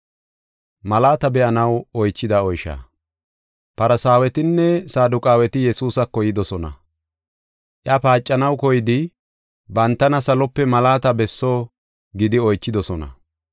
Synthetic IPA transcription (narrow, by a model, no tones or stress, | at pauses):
mɐlaːt̪ɐbɛʔɐnɐwɔjt͡ʃːɪd̪ɐɔjʃa̰ː | pɐɾɐsaːwɛt̪ɪnːɛsaːd̪ʊkʼaːwɛt̪ɪjɛsuːsɐkːɔjɪd̪ɔsɔnɐ̰ | ʔjɐpaːt͡ʃʼːɐnɐwkɔjɪd̪ɪ | bɐnt̪ːɐnɐsɐlɔpːɛmɐlaːt̪ɐbɛsːoː | ɡɪd̪ɪɔjt͡ʃːɪd̪ɔsɔnɐ̰